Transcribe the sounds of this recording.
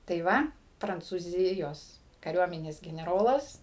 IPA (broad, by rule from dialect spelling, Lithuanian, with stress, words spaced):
tɐɪ ˈʋɐ prɐnt͡suːˈzʲɪjoːs kɐˈrʲuɔmʲɪnʲeːs ɡʲɛnʲɛˈroːlˠɐs